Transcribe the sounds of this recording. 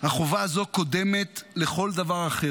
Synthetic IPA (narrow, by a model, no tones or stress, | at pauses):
haχovaazo̞ko̞d̪eme̞tle̞χo̞ld̪avaʁaχe